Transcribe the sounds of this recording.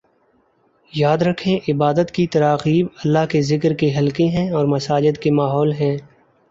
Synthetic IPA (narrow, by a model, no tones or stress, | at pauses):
jaːd̪ɾɐkʰẽʔɪbaːd̪ət̪kit̪ɐɾaːqiːbɐlːaɦkezɪkɾkeɦɐlkeɦɛ̃ɔːɾmɐsaːd͡ʒəd̪kemaːɦɔːlɦɛ̃ː